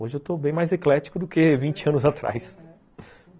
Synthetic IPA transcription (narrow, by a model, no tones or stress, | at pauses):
oʒɪewt̪obẽj̃majzeklɛt͡ʃi̥kʊd̪ʊkevĩnt͡ʃɪɐ̃nʊzat̪ɾa̰js